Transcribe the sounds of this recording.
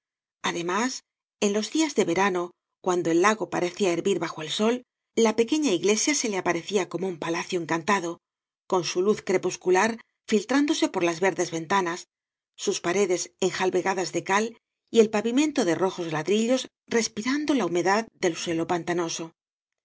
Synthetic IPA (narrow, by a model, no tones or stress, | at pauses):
aðe̞mas | e̞nlo̞zðiazðe̞βe̞ɾano̞ | kwand̪o̞e̞lːaɣo̞paɾe̞θiaeɾβiɾβaxo̞e̞lso̞l | lape̞ke̞ɲaiɣle̞sjase̞leapaɾe̞θiako̞moumpalaθjo̞e̞ŋkant̪aðo̞ | ko̞nsuluθkɾe̞puskulaɾ | filt̪ɾand̪o̞se̞po̞ɾlazβe̞ɾðe̞zβe̞nt̪anasː | uspaɾe̞ðe̞se̞ŋxalβe̞ɣaðazðe̞kal | ie̞lpaβimẽ̞nt̪o̞ðero̞xo̞zlaðɾiʎo̞s | re̞spiɾand̪o̞laume̞ðaðd̪e̞lswe̞lo̞pant̪ano̞so̞